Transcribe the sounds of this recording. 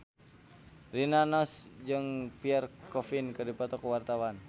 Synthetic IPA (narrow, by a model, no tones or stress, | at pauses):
rinanɔsd͡ʒɨŋpiɛrkɔfinkɨrdipɔt̪ɔkuwart̪awan